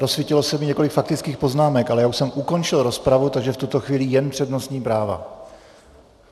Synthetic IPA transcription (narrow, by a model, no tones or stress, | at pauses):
ɾo̞svjɪcɪlo̞sɛmɪɲɛko̞lɪkfak̚t̪ɪt͡skiːxpo̞znaːmɛkʔalɛjaːuʃsɛmʔuko̞nt͡ʃɪlɾo̞spɾavut̪aɡʒɛft̪ut̪o̞xviːlijɛnpr̥ɛdno̞sɲiːpɾaːva̰